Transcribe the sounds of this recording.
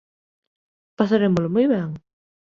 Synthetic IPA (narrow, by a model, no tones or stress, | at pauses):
pasaɾemolomojβɛŋ